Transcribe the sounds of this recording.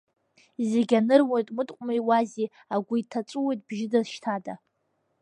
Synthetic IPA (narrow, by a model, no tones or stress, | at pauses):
zeɡʲanɨrwojtʼmɨdʼqʷʼmajwazi | aɡʷʊitʰat͡ʃʷʼuwo̞jtʼb̥ʒɪdazʃtʰada